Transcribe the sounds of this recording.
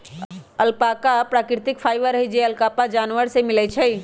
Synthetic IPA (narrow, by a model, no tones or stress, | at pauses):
əlpaːkapɾaːkɾɪt̪ɪkpʰaːjʋəɾəɦɛd͡ʒeəlkaːpad͡ʒaːnʋəɾsemɪlɛt͡ʃʰɛ